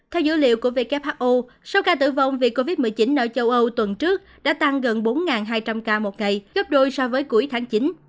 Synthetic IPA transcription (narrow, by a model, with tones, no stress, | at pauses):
t̪ʰɛ˧wzɨ̰˧˥lḭ˧˨əwku˧˩əvḛ˧˩kɛ˦˥p̚haː˦˥t̚ʔo˧ | sa˧wkaː˧t̪ɨ̰˧˩və̰˧wŋ͡mvḭ˨˩əkːo˧vi˦˥t̚mɨ˨˩əjt͡ɕi˨˦nʔəː˧˩t͡ɕə˧wʔə˧wt̪wə˨˩nt͡ɕɨ˦˥ək̚ɗa̰ː˧˥t̪a˧ŋɣə˨˩nɓo˨˦nŋaː˨˩nɦaː˧jt͡ɕa˧mkaː˧mo˨˩t̚ŋa˨˩jɣə˦˥p̚ɗo˧jsɔ˧vəː˨˦jku˨˧˩əjt̪ʰaː˨˦ŋt͡ɕi˨˦n